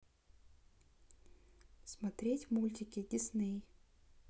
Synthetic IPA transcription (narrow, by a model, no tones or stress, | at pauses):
smɐt̪ɾʲetʲmulʲtʲɪkʲɪdʲɪsnɨj